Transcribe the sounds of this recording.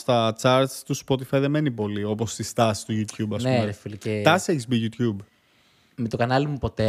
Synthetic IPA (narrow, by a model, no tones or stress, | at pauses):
st̪ɐt͡sɐɾst̪uspo̞t̪ifɐjðe̞me̞nipo̞lio̞po̞st̪ist̪ɐsi̥t̪uʝut̪çubɐseeffilicet̪ɐseçksbiʝut̪çub | met̪okɐnɐlimupo̞t̪e